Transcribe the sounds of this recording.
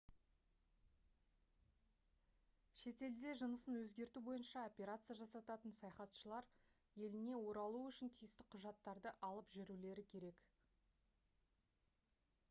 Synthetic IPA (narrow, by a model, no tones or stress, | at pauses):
ʃe̞t̪e̞ld̪e̞ʒənəsənwɵzɡʲe̞ɾt̪ubo̞jənʃɑopʲeɾat̪sɨjaʒɑsɑt̪ɑt̪ənsɑjɑχɑt̪ʃəlˠɑɾ | je̞lɪne̞wo̞ɾɑlˠuʏʃɪnt̪ʰijɪst̪ɪqʰʊʒɑt̪ːɑɾd̪əʔɑlˠəpʒɪɾule̞ɾɪkʲʰe̞ɾe̞k